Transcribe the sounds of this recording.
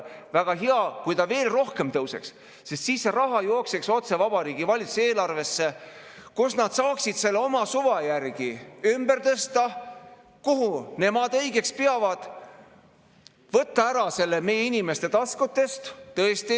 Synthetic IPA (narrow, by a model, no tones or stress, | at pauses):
væɡ̥ɑɦeɑkujt̪ɑve̞ːlro̞hke̞mt̪ɤwse̞̰ks | sest̪siːsːerɑɦɑjo̞ːksekso̞t̪se̞vɑb̥ɑɾiːɡ̥ivɑlʲit̪su̥se̞ːlɑrve̞sːe̞ | kusnɑd̪̥sɑːksid̪̥se̞lːeo̞mɑsuvɑjærɡ̥iymbe̞rt̪ɤst̪ɑ | kuɦune̞mɑd̪ɤjɡe̞kspeɑvɑd̪̥ | vɤt̪ˑːɑæɾɑse̞lːeme̞jeinime̞st̪e̞t̪ɑskut̪ːe̞st̪t̪ɤest̪i